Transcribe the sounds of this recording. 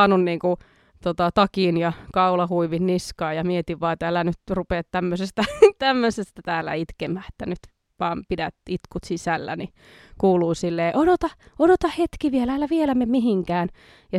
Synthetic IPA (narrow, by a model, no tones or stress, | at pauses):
nunniːŋku | t̪ot̪ɑt̪ɑkiːnjɑkɑulɑhuiʋinniskɑːjɑmiet̪iʋʋɑːet̪ælænyt̪rupeːt̪t̪æmːøsest̪æt̪æmːøsest̪æt̪æːlːæ̰it̪kemæːe̥t̪ːænyt̪ | ʋɑːmpidæt̪it̪kut̪sisælːæ̰ni | kuːluːsilːeːʔodot̪ɑodot̪ɑhet̪kiʋielææːlːæʋielæmemiɦiŋkæːn | jɑ